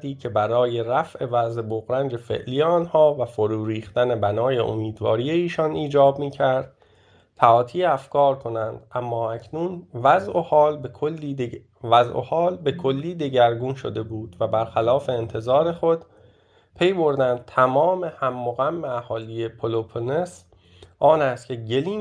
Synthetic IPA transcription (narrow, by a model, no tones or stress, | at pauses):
d̪iːcʰe̞bæɾɒːje̞ɾæfʔe̞væzeboɣɾænd͡ʒe̞fe̞̰ʔliːjeɒnhɒːvæfoɾuːɾiːxt̪æne̞bænɒːje̞̰ʔo̰miːd̪vɒ̰ːɾije̞iːʃɒniːd͡ʒɒːbmiːcʰæɾd̪̥̚ | t̪ʰæɒːt̪ʰiːeæfkɒːɾkʰo̞nænd̪̥ʔæmːɒːæcʰnuːnvæzʔohɒːlbkʰolːi | væzʔo̰hɒːlbe̞kʰo̞lːiːd̪e̞ɟæɾɡunʃo̞̰d̪e̞buːd̪̥væbæɾxælɒːfe̞ːnt̪ʰe̞zɒːɾe̞xo̞d̪̥ | pʰe̞jbo̞ɾd̪ænd̪̚t̪ʰæmɒːme̞hæmːoɣæmːeæhɒːlijepʰolopʰones | ʔɒːnæst̪cʰʲe̞ɟeliː